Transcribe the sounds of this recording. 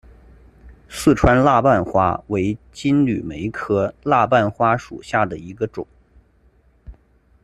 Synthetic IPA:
sɹ̩˥˩ʈ͡ʂʰwa˥nla˥˧pa˥˩nxwa˥we˧˥ɪt͡ɕi˥nly̰˨˩me˧˥ɪkʰɤ˥la˥˧p̬a˥˩nxwa˥ʂṵ˨˩ɕja˥˩d̪ə˩i˧˥ɡə˧ʈ͡ʂʊ̰˨˩˦ŋ

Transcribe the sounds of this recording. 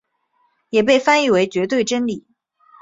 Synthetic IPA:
jɛ˨˩p̬e˥˩ɪfa˥ni˥˩we˧˥ɪt͡ɕɥɛ˧˥t̪̬we˥˩ɪʈ͡ʂə˥nli˨˩˦

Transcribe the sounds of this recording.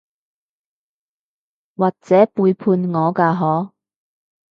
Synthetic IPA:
waː˨k̚t͡sɛː˨˥puː˧jpʰuː˧nŋɔː˨˧kaː˧ɦɔː˨˥

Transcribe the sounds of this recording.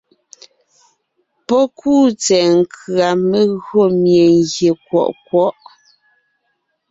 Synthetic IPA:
pɔ˦kʰuː˦˨t͡sɛ˨ŋ̩˨kʰɰa˨me˦˨ɣɰo˦˨mje˨ŋɡje˨k̚wɔ̰˨ʔkwɔ˦ʔ

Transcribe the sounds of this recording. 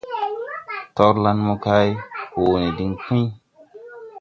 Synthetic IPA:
tɔ˦ɾla˦nmo˦ka˦jhoː˨ni˨di˦ŋkũ˦

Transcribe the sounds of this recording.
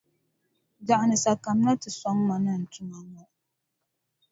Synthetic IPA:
da˨ʔa˨nɨ˨sa˨ka˨m˦na˦tɨ˨sɔ˦ŋma˨nɨ˦n̩˨tʊ˦ŋa˦ŋɔ˦

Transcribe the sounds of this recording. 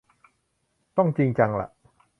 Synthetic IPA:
t̪ɔ˥˩ŋt͡ɕi˧ŋt͡ɕa˧ŋla̰˨˩ʔ

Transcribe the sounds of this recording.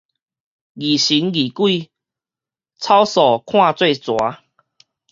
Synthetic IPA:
ɡi˨˩ɕi˨˦nɡi˨˩kwi˥˧ | t͡sʰa˦wsɔ˨˩kʰw̃ã˥˧t͡swe˥˧ɪt͡swa˨˦

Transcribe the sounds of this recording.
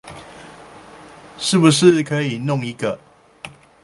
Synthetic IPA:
ʂɻ̩˥˩bu˨ʂɻ̩˥˨kʰə˦i˨˩nʊ˥˨ŋi˨˦ɡə˨

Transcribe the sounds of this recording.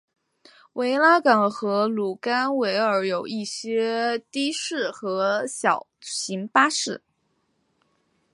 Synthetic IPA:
wʔe˧˥ɪla˥kɑ˨˩ŋxɤ˧˥lu˨˩ka˥nwe˧˥ɪə˞˧˥jo˨˩ʊi˥˩ɕjɛ˥t̪i˥ʂɻ̩˥˩xɤ˧˥ɕjɑ˨˩ʊɕi˧˥ŋpa˥ʂɻ̩˥˩

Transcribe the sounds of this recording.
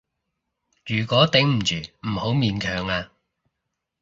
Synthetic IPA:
jyː˨˩kʷɔː˨˥t̪ɪ˨˥ŋm̩˨˩t͡ʃyː˨m̩˨˩ho˨˥wmiː˨nkʰœː˨ŋaː˧

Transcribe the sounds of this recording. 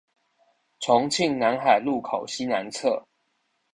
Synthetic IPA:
t͡sʰɔ˧˦ŋt͡ɕʰi˥˨ŋna˨˦nxa˨˩ɪlu˥˨kʰa˨˩ʊɕi˦na˧˦nt͡sʰɤ˥˨

